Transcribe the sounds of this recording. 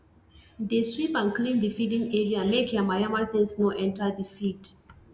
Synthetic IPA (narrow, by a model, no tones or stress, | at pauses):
ðeswipãnklĩndəfidĩŋɛɹiamekʰjamaɹamaθɪ̃ŋsnɔʔɛ̃ntaðəfid